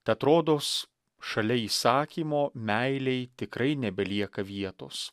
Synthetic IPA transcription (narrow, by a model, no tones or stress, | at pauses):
t̪ɐɪɐt̪ɾoːd̪oːs | ʃɐlʲɛiːsɑːkʲiːmoːmʲɛɪlʲɛɪt̪ʲɪkɾɐɪnʲɛbʲɛlʲiɛkɐʋʲiɛt̪o̰ːs